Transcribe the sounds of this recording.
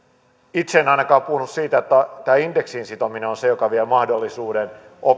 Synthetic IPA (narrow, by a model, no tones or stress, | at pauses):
it̪seːnɑinɑkɑːppuhunussiːt̪æot̪ːæt̪æːindeksinsit̪omineonsejokɑʋielmɑhdolːisuːden | o